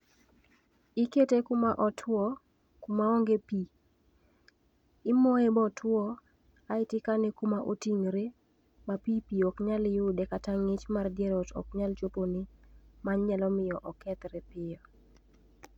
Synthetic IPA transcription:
iketekumaʔɔtʰwɔ | kumaɔŋɡepi | ɪmɔebɔtʰwɔ | aɪtɪkanɛkumaʔotiŋɾe | mapipiɔkɲaljʊdɛkataŋɪt͡ʃmardjeɾɔtɔ̰kɲalt͡ʃoponimaɲɲɛlɔmɪjɔʔɔkɛt̪ɾɛpɪjɔ

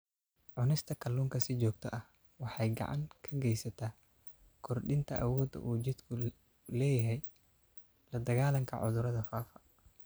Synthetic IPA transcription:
ʕʊnɪst̪ʰɐkʰɐluːŋkʰɐsɪt͡ʃɔːɡt̪ʰɔʔɐh | wɑħɑjɡɑ̰ʕɑ̰ŋkʰɐɡɛjsɐt̪ʰaː | kʰɔrɖɪnt̪ʰɐʔɐwɔːd̪ɐ̰ʔuːt͡ʃɪd̪kʰʊ | lɛːjɐɦɛj | lɐd̪ɐɣaːlɐŋkʰɐ̰ʕʊ̰ðʊɾɐðɐfaːfɐ

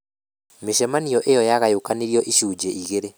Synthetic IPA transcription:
meʃɛmanijɔʔejɔjaɣajukaniɾiɔʔiʃud͡ʒɛʔiɣeɾe

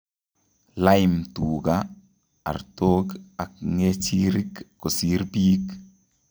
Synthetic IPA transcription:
lajmtuːɡa | a̰ɾtoːɡak̚ŋet͡ʃiɾikːosiɾbiːk

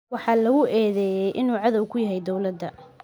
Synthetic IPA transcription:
wɑħɑːlɐɣʊʔɛːðɛːjɛjʔɪnuːʕɑðɔwkʰʊjɐɦɛjd̪ɔwlɐd̪ːɐ

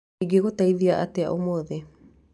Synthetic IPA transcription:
iɡeɣotaiðiaʔatea̰ʔomoðe

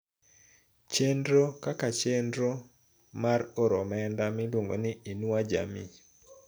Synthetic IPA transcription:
t͡ʃendɾokakat͡ʃendɾo | maroɾɔmɛndamɪlwoŋɡo̰nɪinwad͡ʒa̰mi

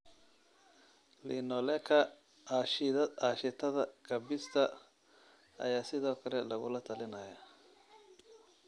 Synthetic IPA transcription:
linɔlɛkʰɐ | ʃɐaʃɪt̪ʰɐðɐkʰɐbɪst̪ʰɐ | ɐ̰jaːsɪðɔːkʰɐlɛlɐɣʊ̰lɐt̪ʰɐlɪnɐjɐ

